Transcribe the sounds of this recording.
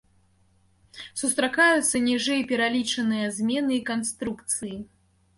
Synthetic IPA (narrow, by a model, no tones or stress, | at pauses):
sust̪ɾakajut̪sːɐnʲiʐɨjpʲɛɾalʲit͡ʂɐnɨjɐzʲmʲɛnɨikanst̪ɾukt̪sɨji